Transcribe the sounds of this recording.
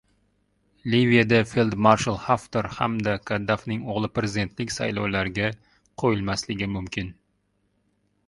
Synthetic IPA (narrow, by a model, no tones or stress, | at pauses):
livijad̪afelˠd̪maɾʃalˠhaft̪eɾhamd̪akʰad̪ːafnɪŋoʁlˠɪpɾezɪd̪e̞nt̪lɪkʲsa̰jlˠɒwlaɾɡʲa | qʰojɪlˠmaslɪɡʲɪmʊmkʲɪn